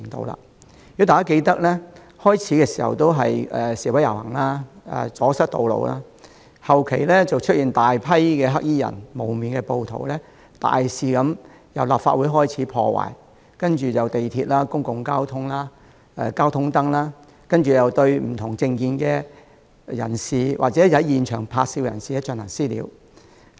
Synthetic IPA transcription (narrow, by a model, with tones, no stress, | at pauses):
ŋt̪o̰˧wla̰ː˧˩ | jy˨˥t̪aː˨kaː˦˥ke˧jt̪ɐ˥k̚lɛː˥ | hɔː˥jt͡sʰiː˨˥kɛː˧si̥ː˨˩hɐ̰˨wt̪o˥wɦɐ̰˨jɛː˨˩siː˨˩wɐ˨˥jɐ˨˩whɐ̰˨˩ŋlaː˥ɛ̰ː˨t͡sɔː˨˥sɐ˥t̚t̪o˨˧wlo̰˨wa̰ː˥ | hɐ˨wkʰe˨˩jlɛ˥t͡sɐ˨wt͡ʃʰɵ˥jiː˨nt̪aː˨jpʰɐ˥jkɛː˧ɦɐ˥k̚jiː˥jɐ̰˨˩nmo˨˩wmiː˨nkɛ˧po˧wt̪ʰo̰˨˩wlɛː˥ | t̪a̰ː˨jsiː˨kɐ˨˧˥m | jɐ˨wlaː˨˩pfa̰ː˧t̚wu˨˥jɦɔː˥jt͡sʰiː˨˥pʰɔː˧wa̰ː˨˩j | kɐ˥nt͡ʃyː˨˩jɐ˨wt̪e˨jt̪ʰiː˧t̚laː˥kʊ˥ŋkʊ˨ŋkaː˥wt̪ʰʊ˥ŋlaː˥ | ɛ˧kaː˥wt̪ʰʊ˥ŋt̪ɐ˥ŋlaː˥ | kɐ˥nt͡ʃyː˨˩jɐ˨wt̪ɵ˧ɥm̩˨˩t̪ʰʊ˨˩ŋt͡sɪ˧ŋkiː˧nkɛ˧ | jɐ̰˨˩nsiː˨wʔaː˨t͡sɛː˨˥jɐ˨˥jjiː˨nt͡ʃʰœː˨˩ŋpʰaː˧t̚siː˧wjɐ˨˩nsiː˨jɛ˥˧˥t͡ʃœ˧˨nlɐː˨˩ŋsiː˥lḭ˨˧w